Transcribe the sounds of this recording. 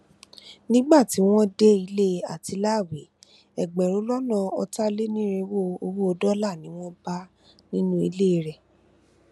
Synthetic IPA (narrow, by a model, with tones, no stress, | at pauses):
nĩ˦ɡ͡ba˦˨ti˨˦w̃ɔ̃˦de˦i˧le˦a˨ti˨˧˦la˦˨we˨˦ | ɛ˨ɡ͡bɛ̃˨ɾõ˨˦lɔ˦nɔ̃˦˧ɔ˧ta˦le˦nĩ˦ɾe˧wo˦˨o˧wo˦ɔ˧dɔ˦la˦˨nĩ˨˦w̃ɔ̃˦ba˦ | nĩ˦nũ˦i˧le˦˨˧ɾɛ˨